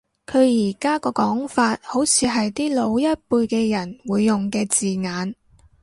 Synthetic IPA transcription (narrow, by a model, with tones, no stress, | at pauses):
kʰɵ˨˧ɥjiː˨˩kaː˥kɔː˧kɔː˨˥ŋfaː˧t̚ho˨˥wt͡sʰiː˨˧ɦɐ˨jt̪iː˥lo˨˧wjɐ˥t̚puː˧jkɛː˧jɐ˨˩nwuː˨˧jːʊ˨ŋkɛː˧t͡siː˨ŋaː˨˧n